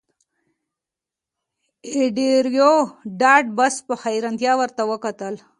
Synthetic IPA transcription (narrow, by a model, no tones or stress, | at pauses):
ɪɖeɾjoɖɑɖbaspəxajɾant̪jɑwəɾt̪awəkat̪əl